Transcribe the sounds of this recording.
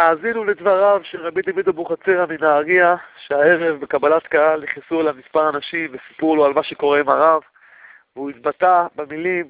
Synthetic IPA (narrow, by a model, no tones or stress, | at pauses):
aːzinuledvaʁavʃeʁabid̪avid̪obuχat͡seʁaminaːʁiaʃeae̞ʁe̞vbekabalat̪kaɦalːiχisuelamispaʁanaʃimvesi̥puloalmaʃeko̞ʁemaʁav | veuit̪batabemilim